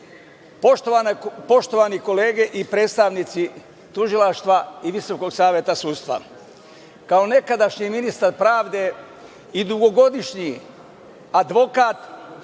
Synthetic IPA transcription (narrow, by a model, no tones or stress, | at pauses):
po̞ʃt̪o̞ʋaniko̞le̞ːɡe̞ʔipɾed̪st̪aʋnit̪si | t̪uʒilaʃt̪ʋaiʋiso̞ko̞ɡsaːʋʲjet̪asuːd̪st̪ʋa̰ | kao̞ne̞kad̪aʃɲiminist̪aɾpɾaːʋd̪e̞ | id̪uɡo̞ɡo̞d̪iʃɲi | ad̪ʋo̞kaːt̪